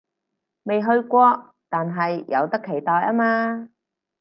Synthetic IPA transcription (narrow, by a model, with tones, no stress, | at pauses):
me˨jɦɵ˧ɥkʷɔː˧ | t̪aː˨nɦɐ˨jːɐ̰˨˧wt̪ɐ˥kʰːe˨˩jt̪ɔː˨jʔaː˥maː˧